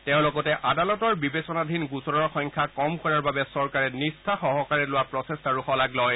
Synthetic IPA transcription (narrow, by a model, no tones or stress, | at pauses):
tɛʊ̃lɔɡɔtɛʔadalɔtɔɹbibesɔnadʱinɡusɔɹɔɹxɔjɲkʰakɔmkɔɹaɹbabɛsɔɹkaɹɛnistʰaxɔɦɔkaɹɛlʊwapɹɔtestaɹuxɔlaɡlɔj